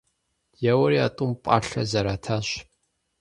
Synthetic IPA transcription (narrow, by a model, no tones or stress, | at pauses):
jɛwɐɾiatʼʊmpʷʼa̰ːɬɐzɐɾaːtʰaːɕ